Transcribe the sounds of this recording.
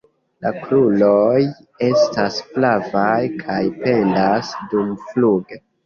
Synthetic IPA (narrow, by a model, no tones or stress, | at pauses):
lakluloj | e̞stasflavajkʰajpe̞ndasdumfluɡe